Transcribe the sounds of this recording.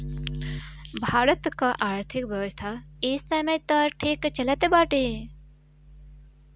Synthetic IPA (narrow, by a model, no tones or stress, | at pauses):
bʱaːɾət̪kaʔaːɾt̪ʰikʋjɐʋəst̪ʰaist̪amẽt̪aɾʈʰiːkt͡ʃɐlat̪ebaːʈe